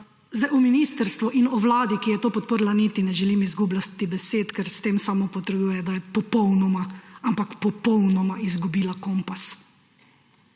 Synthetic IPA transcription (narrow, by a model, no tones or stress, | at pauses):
zd̪ajɔminiːst̪əɾst̪ʋuʔinɔʋlaːd̪ikijɛt̪oːpɔt̪̚pəɾlanit̪inɛʒɛlimizɡublat̪ːibɛseːt̪kɛɾst̪eːmsaːmopɔt̪ɾɛb̪uːjɛd̪ajɛpɔpɔwnɔmaampakpɔpɔwnɔmaizɡubiːlakɔmpas